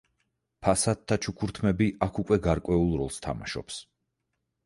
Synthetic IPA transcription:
pʰasat̪ʰːat͡ʃʰukʰuɾt̪ʰmɛbiʔakʰukʼwɛɡaɾkʼwɛulˠɾɔlˠst̪ʰa̰ma̰ʃɔ̰ps

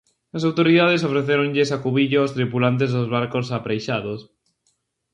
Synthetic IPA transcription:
ɐs̬awt̪oɾiðað̞es̬ofɾeθeɾõŋʎesakuβiʎoost̪ɾipulant̪̬ezðozβaɾkosapɾejʃaðos

